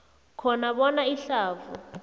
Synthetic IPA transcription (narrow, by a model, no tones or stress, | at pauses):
kʰɔnaɓɔnaiɬaːvṵ